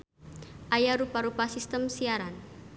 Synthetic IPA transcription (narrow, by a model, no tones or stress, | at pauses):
ʔajaɾupaɾupasist̪əmsiaɾan